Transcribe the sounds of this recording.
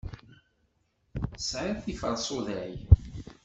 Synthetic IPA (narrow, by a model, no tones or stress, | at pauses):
sʕaθifəɾˤsˤoðæj